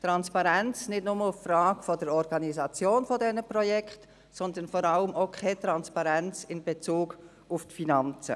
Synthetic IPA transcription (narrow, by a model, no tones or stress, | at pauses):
t̪ɾɑnspɑɾɛnt͡snɪd̥nʊməʊffrɑːɡ̥fɔdəɾɔɾɡ̥ɑnizɑt͡sjoːnfɔdɛnəpɾɔjɛkχt | sɔnd̪ənfɔɾɑləmokʰɛt̪ɾɑnspɑɾɛnt͡sɪnbet͡suːɡ | ʊftfinɑnt͡sə̰